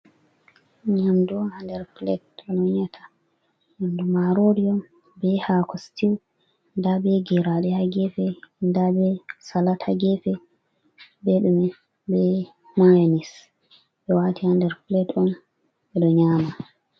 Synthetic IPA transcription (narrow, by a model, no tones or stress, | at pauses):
ɲamduhandɛɾflɛ̰tɔnɔɲatʰḁ | ɲamdumaɾoɾiɔm | bɛhakʰɔstiw | ndabɛɡɛɾaɗɛhaɡɛfɛndabɛsalataɡɛfɛ | bɛɗumɛ | bɛ | majnis | bɛwatʰihandɛɾplɛtɔn | ɓɛɗɔɲaːma